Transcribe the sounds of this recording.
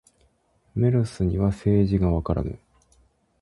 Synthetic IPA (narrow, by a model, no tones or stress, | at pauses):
me̞ɾɯ̟sɨɲ̟iβase̞ːʑiɡaβakaɾa̰nɯ̰